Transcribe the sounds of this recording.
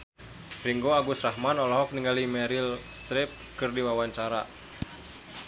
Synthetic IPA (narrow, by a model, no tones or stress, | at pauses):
riŋɡoaɡusraɦmanɔlɔɦɔk̚niŋɡalimɛɾilst̪ɾɪp̚kɨrdiwawaɲt͡ʃaɾa